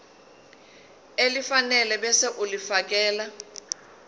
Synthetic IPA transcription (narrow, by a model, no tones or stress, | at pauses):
elifanɛlɛɓɛseʔulifak̬ʼɛːla